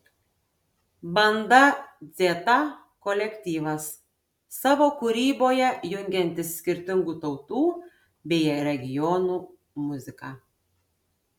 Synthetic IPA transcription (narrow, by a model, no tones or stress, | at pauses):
bɐnd̪ɐd̪zʲeːt̪ɐ | kɔlʲɛkʲt̪ʲiːʋɐsː | ɑːʋoːkʊɾʲiːboːjɛjʊŋʲɡʲɛnʲt̪ʲɪsʲkʲɪɾʲt̪ʲɪŋɡuːt̪ɒʊt̪uː | bʲɛɪɾʲɛɡʲɪjɔnuː | mʊzʲɪkɑ